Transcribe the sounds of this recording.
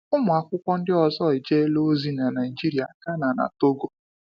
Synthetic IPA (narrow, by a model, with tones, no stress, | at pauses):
ʊ˦mʊ˨a˨kʷʊ˦kʷɔ˦n̩˦dɪ˦ɔ˨zɔ˦ɪ˨d͡ʒe˦lo˦zi˦na˨na˨ji˨d͡ʒi˦ɾi˨a˨ka˦na˨na̰˨to˦ɡo˦